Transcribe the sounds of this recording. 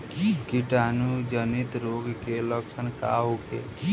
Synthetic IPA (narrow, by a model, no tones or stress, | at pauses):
ikiʈaːnud͡ʒənit̪ɾoːɡkeləksʰənka̰ɦokḛ